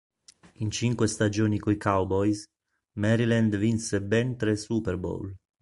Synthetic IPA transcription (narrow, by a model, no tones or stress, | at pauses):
int͡ʃiŋkwest̪ad͡ʒoːnikujkawbɔjs | mɛɾilɛnd̪vinsebɛnt̪ɾɛsupɛɾbo̰l